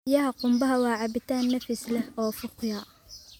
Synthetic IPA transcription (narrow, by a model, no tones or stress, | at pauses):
jɐɦɐqʊmbɐɦɐwɑːʕɑbɪt̪ʰaːnːɐfɪslɛhɔːfʊqjɑ